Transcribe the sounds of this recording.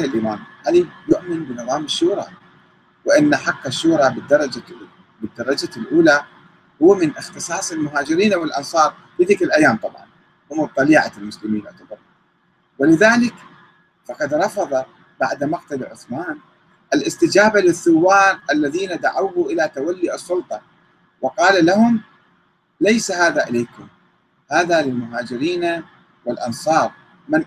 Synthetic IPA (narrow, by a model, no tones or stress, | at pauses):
ɪlʔiːmaːmhalijʊʔmɪnbɪnɨðˤɑːmɪʃːuːɾˤɑ̰ | wɪʔɪnːaħaqːaʃːuːɾˤɑbɪd̪ːɑɾˤɑd͡ʒa | bɪd̪ːɑɾˤɑd͡ʒalʔuːla | hʊwːamɪnʔɪxt̪ɨsˤɑːsˤɪlmʊɦaːd͡ʒɪɾiːnʔawɪlʔɑ̰nsˤɑːɾˤ | bɪðɪːkɪlʔajːaːmt̪ˤɑbʕɑ̰n | hʊmːt̪ˤːɑliːʕɑ̰lmʊslɪmiːnʔt̪ɑbɑɾˤ | wɪlɪðaːlɪk | fɑqɑd̪ɾˤɑfɑðˤɑ | baʕd̪maqt̪alʕʊ̰θmaːn | ʔɪlʔɪst̪ɪd͡ʒaːbalɪθːʊwːɑːɾˤʔalːaðiːnad̪aʕawuʔɪlat̪awalːiːʔɨsˤːʊlt̪ˤɑ | wɑqɑːlalahʊm | lejsaɦaːðaʔɪlejkʊm | haːðalɪlmʊɦaːd͡ʒɪɾiːna | wɪlʔɑ̰nsˤɑːɾˤ | mɪn